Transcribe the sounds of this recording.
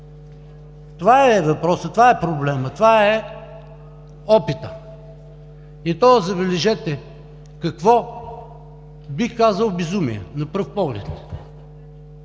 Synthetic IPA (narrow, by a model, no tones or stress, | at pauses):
t̪ovaɛvɐpɾɔsət̪ovaɛpɾoblɛmət̪vaɛ | ɔpit̪ə | it̪ɔzɐbɛlɛʒɛt̪ɛ | kɐkvɔ | bixkazəlˠbɛzumḭjɛ̰nɐpɤɾfpɔɡlɛ̰t̪